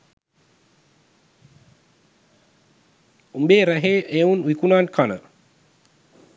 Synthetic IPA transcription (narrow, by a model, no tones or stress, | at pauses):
umbeːɾæɦeːʔeunwikunaːnkʰanə